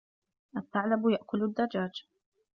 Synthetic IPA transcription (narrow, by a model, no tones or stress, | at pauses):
ʔat̪ːaʕlabjaʔkʊlad̪ːad͡ʒaːd͡ʒ